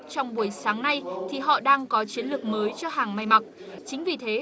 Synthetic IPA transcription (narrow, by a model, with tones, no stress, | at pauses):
t͡ɕɔ˧wŋ͡mɓu˧˩əjsaː˨˦ŋna˧jt̪ʰi˨˩ɦɔ̰˧˨ɗaː˧ŋkɔ˨˦t͡ɕi˨˦ənlɨ˨˩ək̚məː˨˦jt͡ɕɔ˧ɦaː˨˩ŋma˧jma˨˩k̚ | t͡ɕï˨˦ŋ̟vi˨˩t̪ʰe˨˦